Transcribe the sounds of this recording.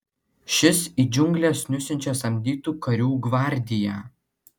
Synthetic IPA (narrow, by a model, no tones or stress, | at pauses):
ʃʲɪsiːd͡ʒʲʊŋɡlʲɛsnʲʊsʲɪnʲt͡ʃʲɛsɐmʲd̪ʲiːt̪uːkɐɾʲuːɡʋɑˑɾʲd̪ʲɪjæ